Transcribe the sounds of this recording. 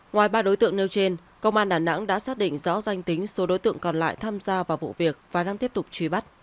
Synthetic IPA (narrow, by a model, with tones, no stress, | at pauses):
ŋwaː˨˩jɓaː˧ɗo˨˦jt̪ɨ̰˧˨əŋne˧wt͡ɕe˧n | kə˧wŋ͡mʔaː˧nɗaː˨˩na̰˧˥ŋɗa̰ː˧˥saː˦˥t̚ɗḭ˧˨ŋ̟zɔ̰˧˥za˧jŋ̟t̪ï˨˦ŋ̟so˨˦ɗo˨˦jt̪ɨ̰˧˨əŋkɔ˨˩nla̰ː˧˨jt̪ʰaː˧mzaː˧vaː˨˩wvṵ˧˨vi˨˩ək̚vaː˨˩ɗaː˧ŋt̪i˦˥əp̚t̪ʊ˨˩k͡p̚t͡ɕwi˨˧˦ɓa˦˥t̚